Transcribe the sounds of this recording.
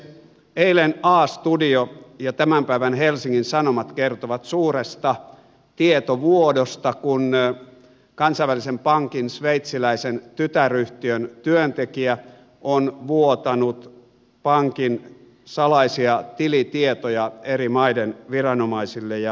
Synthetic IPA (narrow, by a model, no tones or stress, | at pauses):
eilenɑːst̪udiojɑt̪æmæmpæiʋænhelsiŋːinsɑnomɑt̪kert̪oʋɑt̪suːrest̪ɑ | t̪iet̪oʋuodost̪ɑkun | kɑnsɑiʋælisempɑŋkinsʋeit̪silæisent̪yt̪æryht̪iønt̪yønt̪ekiæ | ʔonʋuot̪ɑnut̪ | pɑŋkin | sɑlɑisiɑt̪ilit̪iet̪ojɑerimɑidenʋirɑnomɑisilːejɑ